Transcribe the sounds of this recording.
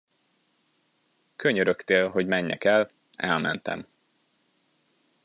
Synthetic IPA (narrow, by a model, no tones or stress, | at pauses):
kʰøɲøɾøkt̪eːlɦo̞ɟmɛɲːɛ̰kɛl | ɛlmɛ̰nt̪ɛ̰m